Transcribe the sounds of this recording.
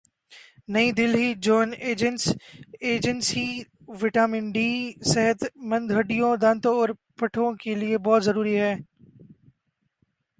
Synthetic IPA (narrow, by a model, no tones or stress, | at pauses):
nɐĩd̪ɪlɦid͡ʒɔːneːd͡ʒənseːd͡ʒənsi | ʋɪʈaːmɪ̃ɳɖisɛɦət̪mɐ̃nd̪ɦɐɖijõd̪ɐ̃nt̪oɔːɾpɐʈʰõkeliebɔːt̪zɐɾuːɾiɦɛː